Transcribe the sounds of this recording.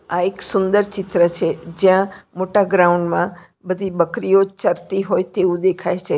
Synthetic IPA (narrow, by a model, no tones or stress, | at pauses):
aeksʊ̃nd̪əɾt͡ʃɪt̪ɾət͡ʃʰed͡ʒjãmoʈaɡɾaʊ̃ɳɖmã | bəd̪ʱibəkɾijot͡ʃəɾt̪iɦoːjt̪eũd̪ekʰaet͡ʃʰe